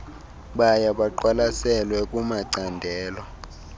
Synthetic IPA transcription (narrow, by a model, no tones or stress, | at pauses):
ɓajaɓaǃwalasɛlwɛk̬ʼumaǀandʱɛːlɔ